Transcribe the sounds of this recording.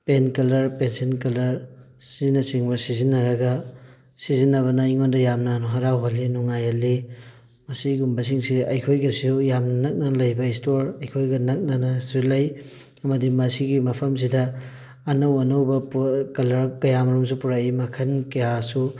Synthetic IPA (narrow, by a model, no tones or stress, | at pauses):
penkɐlɐɾpensenkɐlɐɾ | sizinːɐsiŋbɐsizinːɐɾɐɡɐ | sizinːɐβɐnɐiŋondɐjamnɐnuɦɐɾawɦalːinuŋajɐli | mɐsiɡumbɐs̬iŋsiɐjkʰojɡɐsiujamnɐnɐk̚nɐlɐjbɐistoɾɐjkʰojɡɐnɐk̚nɐnɐsilɐj | ɐmɐdimɐsiɡimɐpʰɐms̬idɐː | nɐwɐnɐwbɐpkɐlɐɾkɐjamɐɾums̬upuɾaimɐkʰɐnkɐjasu